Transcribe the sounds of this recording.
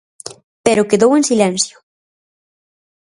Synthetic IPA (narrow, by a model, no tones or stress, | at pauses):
peɾʊkeðowensilɛnsjo̥